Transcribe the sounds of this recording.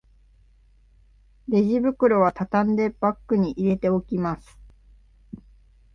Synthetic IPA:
ɾe̞ʑibɯ̟kɯ̟ɾo̞βat̪at̪ãnd̪e̞b̥akːɯ̟ɲ̟iʔiɾe̞t̪e̞o̞kʲimasɨ̥

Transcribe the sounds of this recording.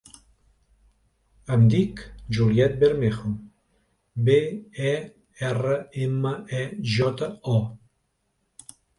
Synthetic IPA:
amd̪ikd͡ʒuljɛt̪̚beɾmexom | beɛ | ɛrəeməɛʒɔt̪aɔ

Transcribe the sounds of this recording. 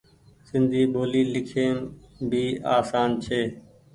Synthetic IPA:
sɪ̃nd̪ʱiːɓoːliːlɪkʰeːmbʱiːaːsaːnt͡ʃʰeː

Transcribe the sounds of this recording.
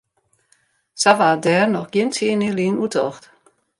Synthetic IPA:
saʋaːdɛːrnɔxɡ̥jɪntʰjɪːniliːnutɔxt

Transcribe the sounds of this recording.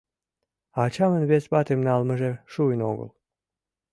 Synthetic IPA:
ɑt͡ɕɑmə̆nβet͡spɑt̪emnɑlmə̆ʒeʃuəno̰ɡə̰l

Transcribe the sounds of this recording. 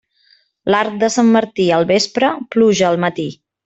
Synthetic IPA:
laɾk̚d̪əsamːəɾt̪iəlˠβespɾəpluʒəːlˠmət̪i

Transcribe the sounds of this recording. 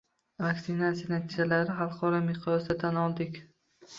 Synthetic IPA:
vaksɪnat̪sijanat̪ʰid͡ʒalaɾɪχɑlˠqʰɒɾɒmɪqʰɾɒsd̪at̪ʰanɒlˠd̪ɪkʲ

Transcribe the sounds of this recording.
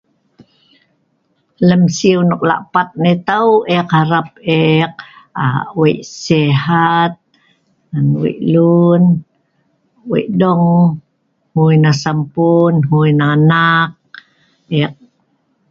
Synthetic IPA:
ləmsiunok̚la̰ʔpat̪̚net̪awʔekhaɾap̚ek̚a̰wejʔseɦat̪̚ | anwḛʔlun | wḛʔdɔŋ | hujnasampunɦujnaːnak̚ | ɛk̚

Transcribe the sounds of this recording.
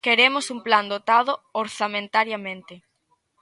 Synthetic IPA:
keɾemʊsumpland̪ot̪að̞ʊoɾθamẽnt̪aɾjamẽnt̪ɪ

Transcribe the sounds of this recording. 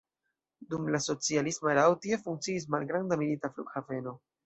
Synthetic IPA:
dumlaso̞t͡sialismoeɾawtiefuŋkt͡siːs̬malɡɾandamilitaflṵkhave̞no̞

